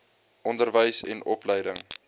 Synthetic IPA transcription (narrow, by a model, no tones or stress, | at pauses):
ʔɔndərvəjsɛ̰nɔpləjdəŋ